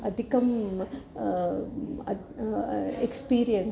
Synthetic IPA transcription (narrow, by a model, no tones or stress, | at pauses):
ɐd̪ʱikɐm | ɐ | ekspiːɾijɐn